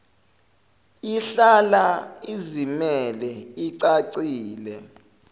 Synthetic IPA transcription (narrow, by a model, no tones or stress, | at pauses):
iɬalaizimɛlɛiǀaǀiːlɛ